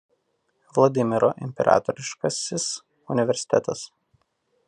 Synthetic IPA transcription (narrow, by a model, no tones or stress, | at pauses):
ʋlˠɐd̪ʲɪmʲɪɾɔʔɪ̰mʲpʲɛ̰ɾʔɑ̰ːt̪ɔɾʲɪʃkɐsʲɪs | ʊnʲɪʋʲɛɾʲsʲɪ̥t̪ʲɛt̪ɐs